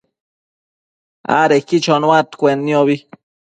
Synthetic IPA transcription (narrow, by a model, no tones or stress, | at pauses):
a̰ɾekit͡ʃonwat̪kʷenːjoβi